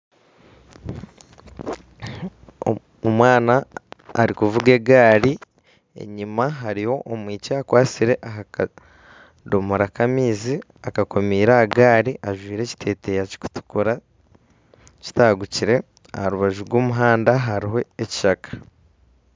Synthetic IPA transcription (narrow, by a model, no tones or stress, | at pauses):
omwaːna̰ːɾikuvuɡe̞ɡaːɾi | ḛɲimaɦaɾiho̞ʔomwiːceakwaːt͡siɾe̞ʔaɦaka | domoɾakamiːziakako̞miːɾaɡaːɾiʔaʒwiːɾe̞ci̥tʰe̞ːte̞jaci̥ku̥tu̥kuɾa | ci̥taɡuciɾe̞ | a̰haɾuβaʒuɾɡwoːmuɦaːndaɦaɾiɦo̞eci̥ʃakḁ